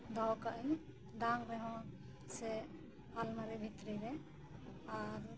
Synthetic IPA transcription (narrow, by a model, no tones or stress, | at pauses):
d̪ʱɔwkaʔij | d̪aŋɾɛɦɔ̃ | sɛ | almaɾɛbʱit̪ɾiɾɛ | aɾ